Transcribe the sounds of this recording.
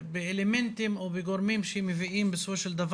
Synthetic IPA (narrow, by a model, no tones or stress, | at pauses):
beelement̪imobeɡoɾmimʃeemeviʔimbesofoʃeld̪av